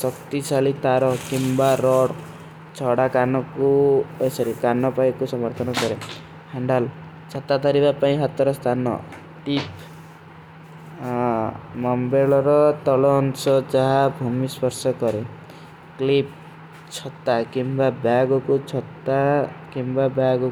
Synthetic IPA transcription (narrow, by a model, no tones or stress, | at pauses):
sɔkt̪isalit̪aɾɔkimbaɾɔɽ | t͡ʃʰɔɽakanɔkuesɔɾikanɔpajkusɔmɔɾt̪ʰɔnɔkɔɾe | haɳɖal | t͡ʃʰɔt̪at̪ɔɾibapaĩɦat̪ɔɾɔst̪ʰanɔ̰ | ʈip | mɔmbeɭɔɾɔt̪ɔlɔːnsɔd͡ʒaɦabʱumispɔɾsɔkɔɾe | klip̚ | t͡ʃʰɔt̪akimbabjaɡɔkut͡ʃʰɔt̪akimbabjaɡɔ